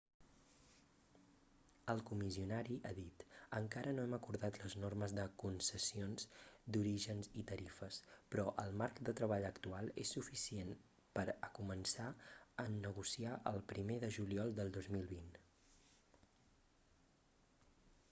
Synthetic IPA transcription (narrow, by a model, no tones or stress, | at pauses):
əlˠkumiziunaɾiʔaðit̪əŋkaɾənoɛməkuɾðat̪ləznorməzðəkunsəsionzd̪uɾiʒənzit̪əɾifəspɾɔʔəlˠmarkd̪ət̪ɾəβ̞aʎəkt̪ualˠḛsːufisien | pəɾəkumənsaəəɣ̞usiaʔə̰lˠpɾimeðəʒuliɔlˠd̪əlˠd̪ozmilˠβin